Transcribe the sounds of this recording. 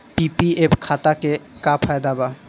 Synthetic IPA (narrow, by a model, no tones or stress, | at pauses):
pipiepkʰat̪akekapʰajd̪aba